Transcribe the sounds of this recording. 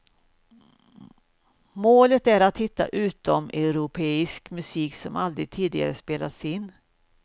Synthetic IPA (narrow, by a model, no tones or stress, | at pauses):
moːlət̪æɾat̪hɪt̪ːa̰ʔʉ̟ːt̪ɔmɛʊɾʊpʰeːɪskmɵsiːksɔmald̪ɾɪɡ̚t̪ʰiːd̪ɪɡa̰ɾəspeːla̰t̪sɪnː